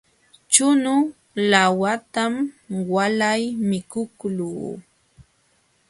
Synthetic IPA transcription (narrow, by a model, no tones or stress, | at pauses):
t͡ʃʊnʊ | lawat̪amwalajmɪkʊkluː